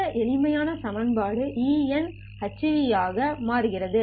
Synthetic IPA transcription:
ɐʔɛɭɪmɐjaːnɐsɐmɐnbaːɽɯʔiːɛn | hɐt͡ʃːɯʋɪjaːɣɐmaːɾɯɣɪrɐðɯ

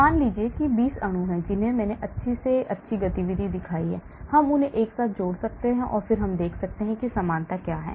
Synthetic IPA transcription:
aːnliːd͡ʒiekibiːsɐɽ̃õɦɛ̃d͡ʒɪnɦẽmɛːneʔɐtːʃʰiseɐtːʃʰiɡɐt̪iʋid̪ʱid̪ɪkʰaːiɦɛ̰ː | hɐmʊnẽʔeːksaːt̪̚ʰd͡ʒoːɽsɐk̚t̪eɦɛ̃ʔɔ̰ːɾfɪɾɦɐmd̪eːkʰsɐk̚t̪eɦɛ̃kisamaːnt̪akjaːɦɛ̰ː

